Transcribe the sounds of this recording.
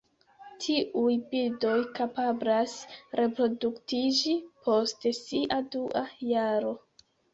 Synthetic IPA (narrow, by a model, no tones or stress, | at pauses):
tʰiʔujbildo̞jkapablasɾʔe̞pɾo̞duktid͡ʒipʰo̞stesiʔaduʔajaɾo̞